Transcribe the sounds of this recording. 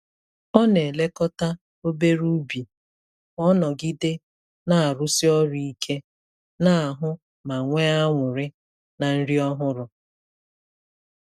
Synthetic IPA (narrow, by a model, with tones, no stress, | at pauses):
ɔ˦ne˨le˦kɔ˦ta˦ | o˦be˦ɾu˦bi˨ | ɔ˦nɔ˨ɡi˦dɪ˦ | na˨a˨ɾʊ˦si˦ɔ˦ɾi˦i˦kʰe˦ | na˦a˨ɦʊ˦ | ma˨ŋʷe˦a˦ŋʷʊ˨ɾɪ˦ | na˨n̩˦ɾi˦ɔ˦ɦʊ˦ɾʊ˨